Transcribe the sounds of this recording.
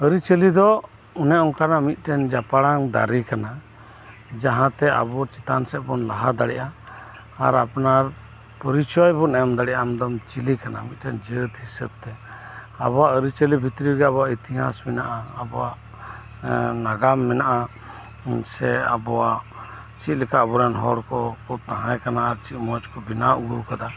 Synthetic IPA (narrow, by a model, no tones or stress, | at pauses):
əɾit͡ʃəlid̪ɔ | unɛɔŋkanamit̪̚ˀʈɛnd͡ʒapaɽaŋd̪a̰ɾikana | d͡ʒaɦãt̪ɛa̰bɔt͡ʃɛt̪ansɛʔ̚bɔnlaɦad̪aɽɛʔa̰ː | ɾapnaɾ | pəɾit͡ʃɔjbɔnɛɔmd̪aɽɛʔamd̪ɔmt͡ʃilikana̰mit̪̚ʈɛnd͡ʒət̪hisə̰b̚t̪ɛabɔwaəɾit͡ʃəlibʱit̪ɾiɡɛabɔwait̪iɦa̰smɛnaʔaːbɔwaʔ | naɡamːɛnaʔa | sɛa̰bɔwaʔ | t͡ʃit̪̚lɛkaəbɔɾanɦɔɽkɔkɔt̪aɦãjkanaːɾt͡ʃit̪̚mɔd͡ʒkɔbinauɡuwkad̪a